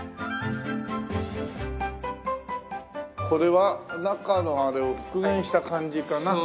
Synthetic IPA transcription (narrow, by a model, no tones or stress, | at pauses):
kʰo̞ɾe̞βanakanõaɾe̞oɸɯ̥kɯ̟ɡẽ̞ɰ̃ɕi̥t̪akãɲ̟d͡ʑikana